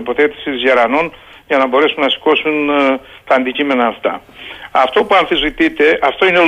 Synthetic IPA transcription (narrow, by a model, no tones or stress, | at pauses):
po̞θet̪i̥sizʝɐɾɐnon | ʝɐnɐbo̞ɾe̞sunːɐsi̥ko̞sun | t̪ɐːnd̪icime̞nɐːft̪ɐ̰ɐft̪o̞puɐɱfizvit̪it̪e̞ʔɐft̪o̞ine̞